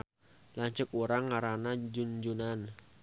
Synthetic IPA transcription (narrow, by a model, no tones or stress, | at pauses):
laɲt͡ʃəkuɾaŋːaɾanad͡ʒund͡ʒunan